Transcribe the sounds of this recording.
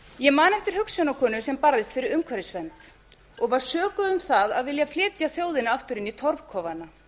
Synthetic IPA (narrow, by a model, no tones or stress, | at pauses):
jɛmaːnɛft̪ɪɾ̥hʏksjɔnakʰɔːnʏsɛmpaɾðɪst̪fɪɾɪɾʏmkʰvaɾɪsvɛnt̪ | ɔɣvaɾ̥sœːkʏðʏmθaðaðvɪljaflɪːt̪jaθjoːwðɪnaaft̪ʏɾɪnit̪ʰɔɾv̥kʰɔːvana